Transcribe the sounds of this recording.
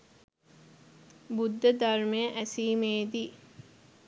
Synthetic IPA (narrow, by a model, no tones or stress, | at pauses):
bud̪ːəd̪ɐrmejəʔæsiːmeːd̪iː